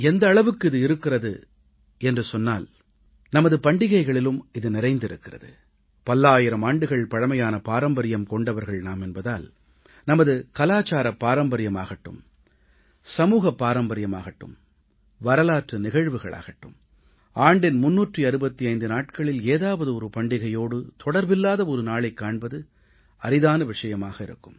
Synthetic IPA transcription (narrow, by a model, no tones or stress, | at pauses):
ɛnd̪ɐːɭɐʋɯkːɯɪðɯɪɾɯkːɪrɐðɯ̰ | ɛndrɯsɔnːaːl | nɐmɐðɯpɐɳɖɪɣɐɪɣɐɭɪlɯmɪðɯnɪɾɐɪnd̪ɪɾɯkːɪrɐ̰ðɯ̰ | pɐlːaːjɪɾɐmaːɳɖɯɣɐɭpɐɻɐmɐjaːnɐpaːɾɐmbɐɾɪjɐmkɔɳɖɐʋɐɾɣɐɭnaːmɛnbɐða̰ːl | nɐmɐðɯkɐlaːt͡ʃaːɾɐpːaːɾɐmbɐɾɪjɐma̰ːɣɐʈːɯ̰m | sɐmuːɣɐpːaːɾɐmbɐɾɪjɐma̰ːɣɐʈːɯ̰m | ʋɐɾɐlaːʈrɯnɪɣɐɻʋɯɣɐ̰ɭʔa̰ːɣɐʈːɯ̰m | aːɳɖɪnmʊnːuːʈriɐɾɯbɐt̪ːiɐɪnd̪ɯnaːʈ̚kɐɭɪleːðaːʋɐðɯɔɾɯpɐɳɖɪɣɐjoːɽɯt̪ʰɔɽɐɾbɪlːaːðɐɔɾɯnaːɭɐɪkːaːɳbɐðɯ | ɐɾɪðaːnɐʋɪʂɐjɐmaːɣɐɪɾɯ̰kːɯm